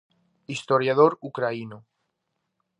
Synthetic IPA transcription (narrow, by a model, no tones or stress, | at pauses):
ist̪oɾjað̞oɾukɾaino